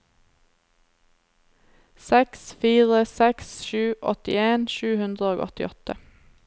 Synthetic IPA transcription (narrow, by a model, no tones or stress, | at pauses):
sɛksfiːʁəsɛksʃʉːʔɔt̪ɪ̰eːnʃʉːhʉnd̪ʁəoːɡɔ̰t̪ɪ̰ʔɔt̪ə